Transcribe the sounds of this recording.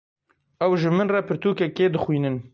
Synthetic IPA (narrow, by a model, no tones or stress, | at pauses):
ɛwʒɨmɨnrɑpʰɨɾt̪uːkɛkeːd̪ɨxwiːnɨn